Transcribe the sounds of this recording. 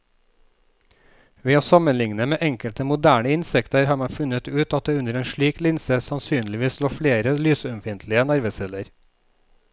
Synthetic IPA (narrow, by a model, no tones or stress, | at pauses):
ʋiːɑːsɑmənlɪŋnəmeːʔɛŋkəlt̪əmʊd̪æːɳəɪnsɛkt̪əɾhɑːɾmɑfʉnət̪ʉːt̪ɑt̪̚d̪eːʉnəɾeːnʃɭiːklɪnsəsɑnsyːnlɪʋiːsloːfɽeːɾəlyːsœmfɪnt̪ʰlɪənæɾʋəsɛləɾ